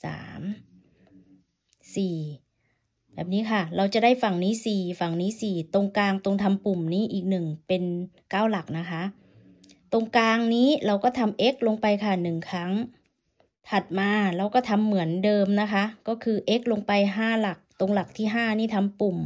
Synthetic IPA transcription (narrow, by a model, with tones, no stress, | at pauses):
sa̰ː˩˦m | siː˨˩ | bɛː˨˩p̚niː˦˥kʰa˥˩ɾa˧wt͡ɕa˨˩da˥˩jfa˨˩ŋniː˦˥˩siː˨˩fa˨˩ŋniː˦˥siː˨˩t̪o˧ŋkaː˧ŋt̪o˧ŋt̪ʰa˧mpu˨˩mniː˦˥ʔiː˨˩k̚nɯ˨˩ŋpe˧nkaː˥˩wla˨˩k̚na˦˥kʰa˦˥ | t̪o˧ŋkaː˧ŋniː˦˥˩ɾa˧wkɔː˥˩t̪ʰa˧mʔe˦˥k̚lo˧ŋpa˧jkʰa˥˩nɯ˨˩ŋkʰa˦˥ŋ | t̪ʰa˨˩t̪̚maː˧ɾa˧wkɔː˥˩t̪ʰa˧mːɯ˨˩˦əndɤː˧mna˦˥kʰa˦˥kɔː˥˩kʰɯː˧ʔe˦˥k̚lo˧ŋpa˧jɦaː˥˩la˨˩k̚t̪o˧ŋla˨˩k̚t̪ʰiː˥˩ɦaː˥˩niː˥˩t̪ʰa˧mpu˨˩m